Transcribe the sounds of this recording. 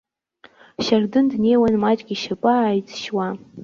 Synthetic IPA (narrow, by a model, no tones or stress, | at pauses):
ʃardɨndne̞jwanmat͡ʃʼɡʲiʃapʼaːjt͡sʼʃwa